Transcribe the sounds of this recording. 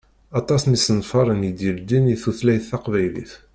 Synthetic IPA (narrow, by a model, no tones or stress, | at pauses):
ɑt̪ˤɑsnisənfɑɾˤənjid̪əld̪iniθuθlæjθːɑqvæjlḭθ